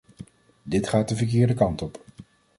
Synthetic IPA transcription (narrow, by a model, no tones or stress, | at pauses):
dɪtχaːt̚dəvəɹk̬ɪːɹdəkɑntɔp